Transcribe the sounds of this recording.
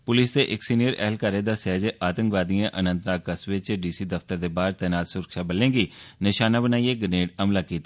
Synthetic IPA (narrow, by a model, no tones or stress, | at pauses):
pʊlɪsd̪eːʔɪksiːnijəɾɛ̰ːlkaːɾeːd̪aːsɛːd͡ʒeʔaːt̪ə̃ŋkʋaːd̪ijãːʔənə̃nt̪naːkəsʋɪt͡ʃɖiːsiːd̪əft̪əɾd̪eːbaːɾt̪ɛːnaːt̪sʊɾəkʃaːbəlẽːɡiːnɪʃaːnaːbənaːiːeːɡəneːʈəmlaːkiːt̪aː